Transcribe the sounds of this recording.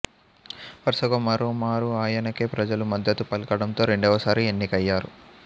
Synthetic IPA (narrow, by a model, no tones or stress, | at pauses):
pɐɾsɐɡɐmɐɾoːmaːɾuaːjɐnɐkeːpɾɐd͡ʒɐlumɐd̪ːɐt̪upɐlkɐɽɐnt̪o̞ːɾe̞ɳɖɔːʋɐsaːɾienːikɐjːaːɾṵ